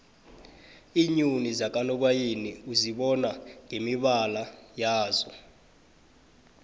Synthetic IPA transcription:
iɲunizak̬ʼanɔk̬wajeniuziɓɔnaŋemiɓalajaːzɔ

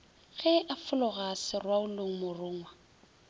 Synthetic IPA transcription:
ɣɛʔafʊlʊɣasɪrwaʊloŋ̩mʊrʊːŋwa

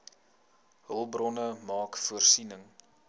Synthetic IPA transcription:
ɦəlˠbrɔnəmɑːkfuərsinəŋ

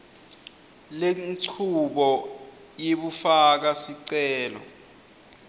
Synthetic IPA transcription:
leǀʰuɓɔ | jeɓufak̬asiǀɛːlɔ̰

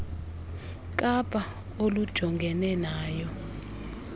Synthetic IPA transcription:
k̬ʼapʼa | olud̥ʒ̥ʱɔŋɡʱɛnɛnaːjɔ

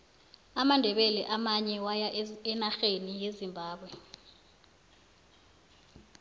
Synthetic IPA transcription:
amandʱɛɓɛlɛʔamaɲɛwajaɛnaxenijezimbʱaːɓwɛ

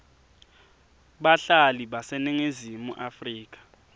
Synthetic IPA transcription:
ɓaɬaliɓasɛneŋezimuʔafriːk̬ʼḁ

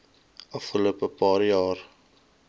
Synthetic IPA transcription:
ʔɐfχəloəpəpɑːɾjɑːr

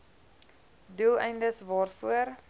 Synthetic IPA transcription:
dulˠɛjndəsvɑːrfuəɾ

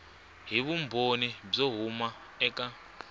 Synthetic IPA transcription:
ɦiβumbonib͡ʐɔɦuma | ɛkʼa

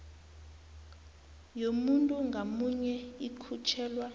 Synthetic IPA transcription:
jomuntʼuŋɡʱamuɲɛikʰut͡ʃʰɛːlwa

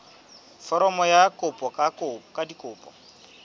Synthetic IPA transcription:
fɔɾɔmɔjakʼʊpʼɔkʼakʊkʼadikʼʊːpʼɔ

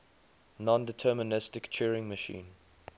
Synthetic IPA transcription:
nɔ̃ndɪtʰɜːmənɪstɪkt͡ʃʰɛːɹɪ̃ŋməʃḭ̃ːn

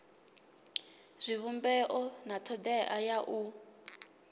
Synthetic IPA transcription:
z̥ʷiβumbɛʔɔnatʰɔd̪ɛʔajaʔu

